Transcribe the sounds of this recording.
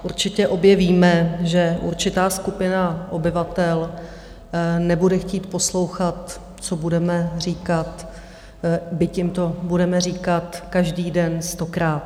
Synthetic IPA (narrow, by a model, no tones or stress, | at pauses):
ʔuɾt͡ʃɪcɛʔo̞bjɛviːmɛʒɛʔṵɾt͡ʃɪt̪aːskupɪnaʔo̞bɪvat̪ɛl | nɛbudɛxciːt̪po̞slo̞wxat̪̚ | t͡sobudɛmɛr̝iːkat̪ | bɪcɪmt̪o̞budɛmɛriːkat̪kaʒdiːdɛnst̪o̞kɾaːt̪